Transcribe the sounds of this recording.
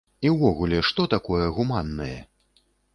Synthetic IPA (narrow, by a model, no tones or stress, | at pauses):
iwvɔɣulʲɛʂt̪ɔt̪akɔjɛɣumanːɐjɛ̰